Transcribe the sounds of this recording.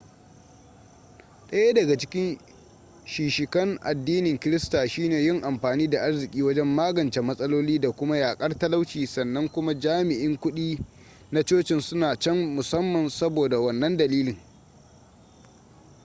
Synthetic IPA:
ɗɐ˦ja˦dɐ˨ɡa˨t͡ʃɪ̥˦kʲɪ˦n | ʃiː˨ʃɪ˨kɐ˦ŋʔa̰˨dːiː˦nɪ˨ŋkʲɪ˦ɾɪ˦staː˨ʃiː˦neː˨jɪ˦˨ŋʔa˨mɸaː˨niː˦da˨ʔa˦rzɪ˨kʲʼiː˦wɐ˦d͡ʒɛ˦mːaː˦ɡɐ˨nt͡ʃe˨mɐ˦sʼɐ˦loː˦liː˦da˨kʷʊ˦ma˦jaː˨kʼɐ˦rtɐ˦la˦wt͡ʃiː˨sɐ˨nːɐ˦ŋkʷʊ˦ma˦d͡ʒaː˦mɪ˨ʔɪ˦ŋkʷʊ˦ɗiː˦ | na˦t͡ʃoː˦t͡ʃɪ˨nsʊ˦naː˨t͡ʃɛ˦ŋmʊ˨sɐ˦mːɐ˨nsɐ˦boː˨da˨wɐ˦˨nːɐ˦ndɐ˨liː˦lɪ˨ŋ

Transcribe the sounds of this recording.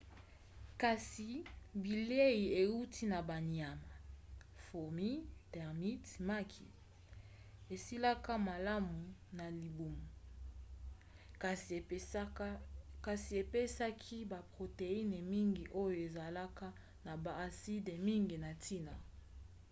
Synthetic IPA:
ka˨si˨bi˨le˦ji˨e˨u˦ti˦na˨ba˨ni˨a˨ma˨ | fo˨mi˦tɛ˨ʁmi˦tma˦kʰḭ˨ | e˨si˦la˦ka˦ma˨la˦mu˨na˨li˨bu˨ma˨ | s | ka˨si˨e˨pe˦sa˦kʰi˦ba˨pʁo˨te˨i˦ne˨mi˦ŋɡi˨ʔo˦jo˨e˨za˨la˦ka˦ | na˨baː˨si˦de˨mi˦ŋɡi˨na˨tʰi˦na˨

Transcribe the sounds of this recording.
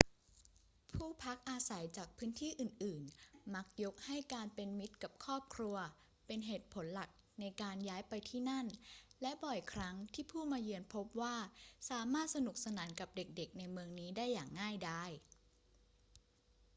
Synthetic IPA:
pʰuː˥˩pʰa˦˥k̚ʔaː˧sa˩˦jt͡ɕaː˨˩k̚pʰɯː˦˥nt̪ʰiː˥˩ʔɯː˨˩nʔɯː˨˩nma˦˥k̚jo˦˥k̚ha˥˩jkaː˧npe˧nmi˦˥t̪̚ka˨˩p̚kʰɔː˥˩p̚kʰɾu˧ɐ | pe˧nɦeː˨˩t̪̚pʰo˩˦nla˨˩k̚ | na˧jkaː˧njaː˦˥jpa˧jt̪ʰiː˥˩na˥˩nlɛ˦˥ʔbɔ˨˩jkʰɾa˦˥ŋt̪ʰiː˥˩pʰuː˥˩maː˧jɯ˧ənpʰo˦˥p̚waː˥˩saː˩˦maː˥˩t̪̚sa˧nu˨˩k̚sa˧naː˩˦nka˨˩p̚de˨˩k̚de˨˩k̚na˧jmɯ˧əŋniː˦˥daː˥˩jːaː˨˩ŋːaː˥˩jdaː˥˩j

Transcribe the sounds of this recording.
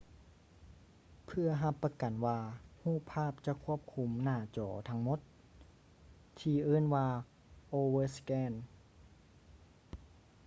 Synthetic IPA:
pʰɯ˧˩ɐɦa˧pːa˧ka˨˩nwaː˧huː˥˩pʰaː˥˩p̚t͡ɕa˧˦ʔkʰu˧˥˩əp̚kʰu˧˥mnaː˧˩t͡ɕɔ̰ː˩˦t̪ʰa˧˥ŋmo˧˥˦t̪̚ | t̪ʰiː˧ʔɤː˧˥˨nwaː˧ | ʔoː˧wɤː˧skɛː˧˥˨n

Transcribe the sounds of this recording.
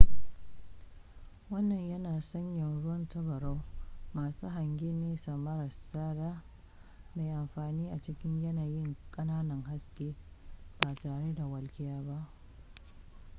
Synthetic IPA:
wɐ˦nːɐ˨ɲjɐ˦naː˨sɐ˦ɲjɐ˨nɽʊ˦wɐ˦ntɐ˦bɐ˨ɾa˦wmaː˨suː˦ɦa˨ŋɡʲe˦neː˦sa˨mɐ˦ɾɐ˨saː˦ɾaː˦ | ma˨jʔa˨mɸaː˨niː˦ʔa˨t͡ʃɪ˦kʲɪ˦ɲjɐ˦naː˨jɪ˦ŋkʼɐ˦naː˦nɐ˨ŋɦa˦skʲʼeː˦ | b̥aː˨taː˨ɽe˦da˨wɐ˨lkʲɪ˦jaː˦ba˦ʔ

